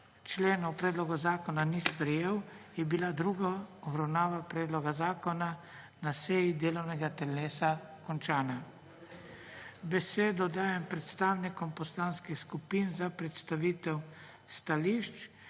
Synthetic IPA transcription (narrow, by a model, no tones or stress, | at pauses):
t͡ʃleːnɔpɾɛːd̪lɔɡɔzaːkɔnanispɾɛjeːwjɛbilad̪ɾuːɡaɔbɾawnaːʋapɾɛːd̪lɔɡazaːkɔna | nasɛjid̪eːlɔwnɛɡat̪ɛleːsakɔnt͡ʃaːna | bɛseːd̪ɔd̪aːjɛmpɾɛt̪st̪aːwnikɔmpɔslaːnskixskupiːnzapɾɛt̪st̪aʋiːt̪ɛw | st̪aliʃt͡ʃ